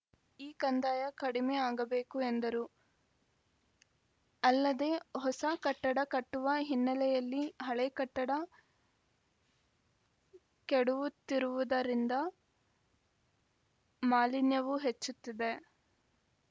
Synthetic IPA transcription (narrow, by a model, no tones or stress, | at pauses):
iːkɐnd̪aːjɐkɐɽimeːaːɡɐbeːkuend̪ɐɾu | ɐlːɐd̪e̞ːɦɔsɐkɐʈːɐɽɐkɐʈːuʋɐɦinːɐlɛjɐlːiɦɐɭɛkɐʈːɐɽɐ | keɽuʋut̪ːiɾuʋud̪ɐɾind̪ɐ | maːlinjɐʋuɦet͡ʃːut̪ːid̪e̞